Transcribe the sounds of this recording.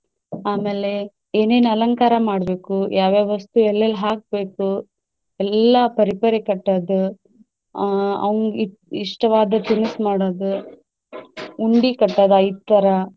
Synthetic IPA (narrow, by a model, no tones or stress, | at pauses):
aːmeːle | eːneːnɐlɐŋkaːɾɐmaːɽbeːkujaːʋeːʋɐst̪uɛlːɐlɦaːk̚beːku | ɛlːɐpɐɾipɐɾekɐʈːɐːd̪u | ɐ̰ʋɐŋɡ | iʂʈɐʋaːd̪ɐt̪inusmaːɽoːd̪u | uɳɖikɐʈːɐːd̪ɐjd̪̚t̪ːɐɾɐ